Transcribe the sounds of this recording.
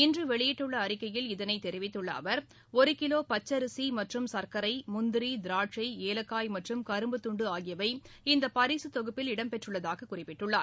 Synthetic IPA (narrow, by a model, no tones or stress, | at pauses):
ɪndrɯʋɛɭɪjɪʈːɯɭːɐːɾɪkːɐjɪlɪðɐnɐɪt̪ːɛɾɪʋɪt̪ːɯɭːɐ̰ːʋɐɾ | ɔɾɯkɪloːpɐt͡ʃːɐɾɯsimɐʈrɯmsɐɾkɐɾɐɪmʊnd̪ɪɾid̪ɪɾaːʈrɐɪeːlɐkːaːjmɐʈrɯmkɐɾɯmbɯt̪ʊɳɖɯaːɣɪjɐʋɐɪɪnd̪ɐpɐɾiːsɯt̪ɔɣɯpːɪlɪɽɐmpɛʈrɯɭːɐðaːɣɐkʊrɪpːɪʈːɯɭːaːɾ